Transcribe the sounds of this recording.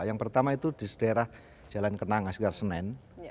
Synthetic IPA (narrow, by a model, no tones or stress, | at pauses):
jaŋpərt̪amait̪ud̥isədeɾah | d͡ʒalankənaŋasɡarsənɛn